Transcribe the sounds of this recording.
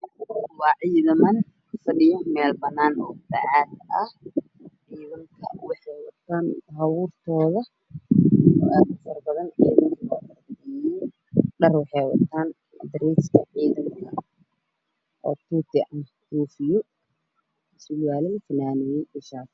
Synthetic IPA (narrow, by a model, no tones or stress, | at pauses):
wɑːʕiːðɐmɐn | fɐɖɪjɔmɛːlbɐnːaːnɔːd̪ɐ̰ʕaːd̪ɐh | ʕiːðɐŋkʰɐwɑħɛjwɐ̰t̪ʰːaːnɦɐβuːrt̪ʰɔːðɐ | ɔ̰ʔaːd̪ʊfɐrbɐðɐnʕiːðɐmlɔːʔɐrd̪ɛjɛj | ɖɐrwɑħɛjwɐ̰t̪ʰaːn | ɐ̰d̪ɾiːskʰɐʕiːðɐŋkʰɐ | ʔɔːt̪ʰuːt̪ʰɪʔɐn | kuːfɪjɔ | sɪlwaːlɪlfɐnaːnɛjɛjʔɪʃaː